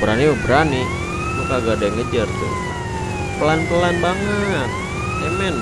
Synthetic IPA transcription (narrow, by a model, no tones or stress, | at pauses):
bəɾaniwabəɾani | mukaɡadaŋəd͡ʒart̪ṵ | pəlanpəlanbaŋət̪̚ | ɛmɛn